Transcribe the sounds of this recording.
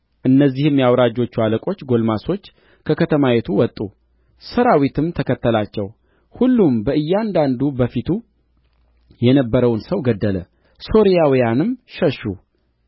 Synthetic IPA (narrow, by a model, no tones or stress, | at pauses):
ʔɨnːəzːihɨmjawɾad͡ʒːo̞t͡ʃːualəkʼo̞t͡ʃːɡo̞lmaso̞t͡ʃː | kʰəkət̪ʰəmajet̪ʰuwɔt̪ʼːu | səɾawit̪ʰɨmt̪ʰəkʰət̪ːəlat͡ʃːɛw | hulːumbəʔɨjːand̪and̪ubəfit̪ʰu | jɛnəbːəɾəwnsəwɡəd̪ːələ | so̞ɾijawijanɨmʃəʃːu